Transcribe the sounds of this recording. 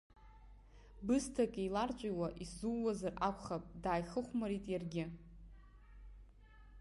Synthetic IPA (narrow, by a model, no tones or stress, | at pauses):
bɨstʰakʼijlart͡ʃʷʼajwaʔiszuwwazarʔakʷʰʼχapʼdaːjχəχʷmaɾitʼjarɡʲɪ